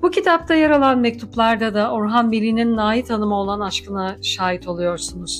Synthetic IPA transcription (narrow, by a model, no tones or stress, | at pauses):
bucʰit̪ʰap̚t̪ʰajaɾalˠanmɛc̚t̪ʰuplˠaɾd̪ad̪aoɾɦanbilʲininːaːjit̪ʰanɯmao̞lˠanaʃkɯnaʃaːɦit̪ʰo̞lˠujo̞ɾsunuz̥